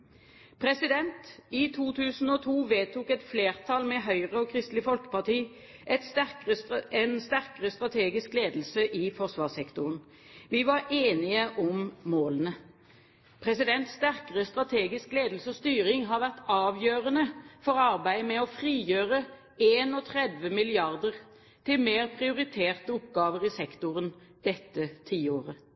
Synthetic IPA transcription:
pʰʁɛsɪd̪ɛnt̪ɪt̪ʰuːt̪ʰʉːsn̩ɔːt̪ʰuːʋeːt̪ʰuːkɛt̪fleːʁt̪ʰɑlmɛɦœʏʁəɔkʰʁɪst̪lɪfɔlkə̥pɑʁt̪iː | ʔɛt̪sækəɛnst̪æʁkəʁəst̪ʁɑt̪ʰeːɡɪskleːd̪lsəʔɪfɔsʋɑːsɛkt̪ʊʁən | ʋɪʋɑʁeːnɪəʔɔmmoːlənə | pʰʁɛsɪd̪ɛnt̪st̪æʁkəʁəst̪ʁɑt̪ʰeːɡɪskleːd̪l̩səɔst̪yːʁɪŋɦɑʁʋæʁt̪ɑːʋjøːʁənəfɔʁɑʁbæɪmɛɔfʁiːjøːʁə | eːnɔt̪ʰʁɛd̪ʋəmɪlɪɑʁd̪əʁ | t̪ʰɪlmeːʁpʰʁɪʊʁɪt̪ʰeːʁt̪əʊpɡɑːʋəʁɪsɛkt̪ʊʁən | d̪̥ɛt̪ːət̪ʰiːoːʁə

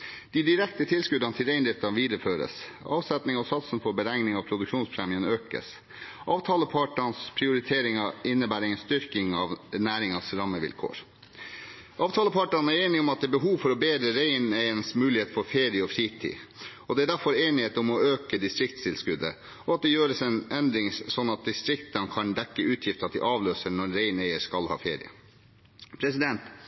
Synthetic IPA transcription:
d̪̥ɪd̪ɪɾɛkt̪ət̪ʰɪlskʉd̪ɑnt̪ʰɪlɾeɪnɾɪft̪ɑʋiːd̪ɾəføːɾə̰s | ɑːʋsɛt̪nɪŋɔsɑt̪snfɔɾbəɾæŋnɪŋɑːʋpʰɾʊd̪ʉkʂuːnspʰɾɛːmiənøːkə̰s | ʔɑːʋt̪ʰɑːləpʰɑʈɑnspʰɾɪʊɾɪt̪ʰeːɾɪŋɑɪnːəbæːɾɛŋənst̪ʏɾkɪŋɑʋnæːɾɪŋɑsɾɑməʋɪ̰lkʰo̰ːɾ | ʔɑːʋt̪ʰɑːləpʰɑʈɑnæɾeːnɪɔmɑt̪̚d̪ɛːbəɦuːʋfɔɾɔbeːd̪ɾəɾeɪnæɪənsmʉːlɪheːt̪fɔɾfeːɾɪəɔfɾiːt̪ʰḭː | ɔd̪ɛæɾɖd̪æɾfɔɾeːnɪheːt̪ɔmɔøːkəd̪ɪst̪ɾɪk̚t̪st̪ʰɪlskʉd̪ə̰ | ɔɑt̪̚d̪ɛjøːɾəsɛnɛnd̪ɾɪŋsɔnːɑt̪̚d̪ɪst̪ɾɪkt̪ɑnkʰɑnd̪ɛkːəʉːt̪ʰjɪft̪ɑt̪̚d̪ɪ̰ʔɑːʋløːsəɳɔɾːeɪnɛɪəskɑlhɑ̰ːfḛːɾɪ̰ə̰ | pʰɾɛsɪd̪ɛnt̪

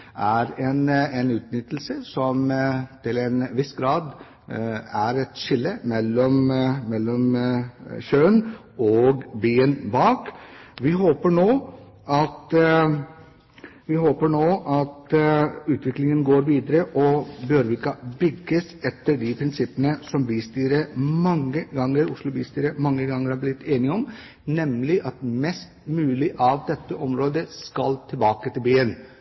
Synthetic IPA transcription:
ʔæɾɛnɛnʉːt̪nʏt̪ːl̩səsɔmt̪ʰɪlɛnʋɪsɡɾɑːd̪ | æɾɛt̪ʂɪlːəmɛlːɔmmɛlːɔm | ɕøːn | ɔɡbeːənbɑːkʋɪɦoːpəɳoː | ʔɑt̪ | ʋɪɦoːpəɳoːʔɑt̪ʉːt̪ʰʋɪklɪŋənɡoːɾʋiːd̪əɾəʔɔbøːɾʋɪkɑbʏɡːəs | ɛt̪ːəɖɪpʰɾɪnsɪpːənəsɔmbiːst̪iːɾəmɑŋːəɡɑŋːəɾʊʂlʊbiːst̪iːɾəmɑŋːəɡɑŋːəɾæblɪt̪ʰːeːnɪɔm | nɛmlɪʔɑt̪mɛst̪mʉːlɪʔɑʋd̪ɛt̪ːəʔɔmɾoːd̪əskɑlt̪ʰɪlbɑːkət̪ɪlbeːən

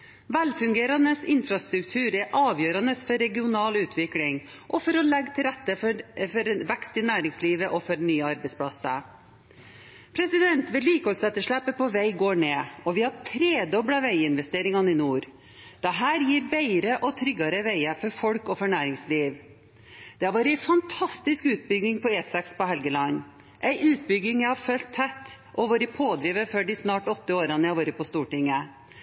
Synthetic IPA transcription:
ʋælfʉŋɡeːɾɑnəsɪ̰nfɾɑst̪ɾʉkt̪ʰʉːɾɛʔɑːʋjøːɾɑnəsfɔɾɛɡɪʊnɑːlʉːt̪ʰʋɪklɪŋ | ʔɔfɔɾɔlɛɡt̪ʰɪlɾɛt̪ːəfɔɾʋɛkst̪ɪnæːɾɪŋsliːʋəʔɔfɔɾnyːɑɾbɛɪspʰɽɑsə | pʰɾɛsɪd̪ɛnt̪ʋɪlːiːkəhɔlsɛt̪ːəʂɭæpːəpɔʋæɪɡoːɳeːɔʋɪhɑɾt̪ʰɾeːd̪ɔbɽɑʋæɪɪnʋɛst̪eːɾɪŋɑnɪnuːɾ | d̪̥ɛɦæːɾjiːɾbæɪɾəʔɔt̪ʰɾʏɡːɑɾəʋæɪəfɔɾfɔlkɔfɔɳæːɾɪŋsliːʋ | d̪̥ɛhɑɾʋoːɾɪæɪfɑnt̪ʰɑst̪ɪskʉːt̪̚bʏɡɪŋpʰɔeːsɑkspɔhɛlɡəlɑn | ʔæɪʔʉːt̪̚bʏɡːɪŋjæɪhɑɾfœlt̪ʰːɛt̪ː | ʔɔʋoːɾəpʰoːd̪ɾiːʋəføːɖɪsnɑːʈɔt̪ːəoːɾɑnəhɑʋoːɾəpʰɔst̪uːʈɪŋːə

